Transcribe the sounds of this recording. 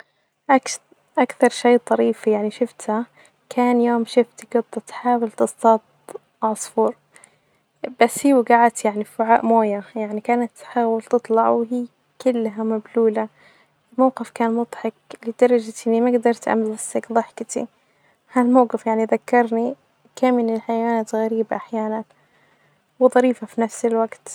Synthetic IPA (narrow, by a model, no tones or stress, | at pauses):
ʔak | ʔakθɑɾˤʃejːt̪ˤɑɾiːfijaʕniʃɪft̪ha | kʰaːnjoːmʃɪft̪iɡɑd̪ˤːɑt̪ħaːwɪlt̪ɨst̪ɑt̪̚ | ʕɑsˤfuːɾ | b̥asːhiːwɡaʕat̪jaʕnifʊʕaːʔmoːjajaʕnikaːnat̪ːħaːwɪlt̪ɨt̪ˤlɑʕwɦiː | kʊlːɦamabluːla | ɪlmawqɪfkaːnmʊd̪ˤħɑklid̪̥ɑɾˤɑd͡ʒt̪ɪnːimaɡd̪ɑɾˤt̪ʔa̰mzasakðˤɨħkt̪ḭ | halmawqɪfjaʕniðakːɑɾˤni | kaːmɪnɪlħajawanaːt̪ɣaɾiːbaʔaħjaːnan | wðˤɑɾiːfafinafsɪlwaɡt̪